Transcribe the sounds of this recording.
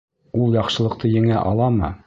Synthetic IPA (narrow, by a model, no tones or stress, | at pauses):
ulˠjɑqʃɤ̆lˠɤ̆q̚t̪ɤjɘ̆ŋæʔɑ̰lˠɑmɤ̰